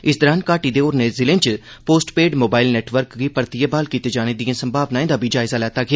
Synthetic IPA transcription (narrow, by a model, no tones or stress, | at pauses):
ɪsd̪ɔɾaːnkaːʈid̪eoːɾnezɪlẽnt͡ʃpoːsʈpeːɖmoːbaːɪlneːʈʋəɾkɡipɐɾt̪ijebaːlkit̪ed͡ʒaːned̪ijẽsɐ̃mbʱaːʋnaːẽnd̪abʱid͡ʒaːɪzalɛːt̪akʰeː